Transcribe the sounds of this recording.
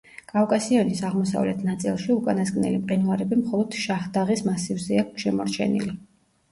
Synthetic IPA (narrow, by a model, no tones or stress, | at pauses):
kʼafkʼasiɔnisaʁmɔsa̰vlɛt̪ʰnat̪sʼilˠʃiukʼanasɡʼnɛ̰limqʼinvaɾɛbimχɔlˠɔd̪̥ʃaχd̪aʁismasivzɛakʃɛmɔɾt͡ʃʰɛ̰nḭli